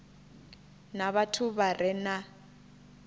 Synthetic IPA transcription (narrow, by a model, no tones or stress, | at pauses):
naβatʰuβarʔɛna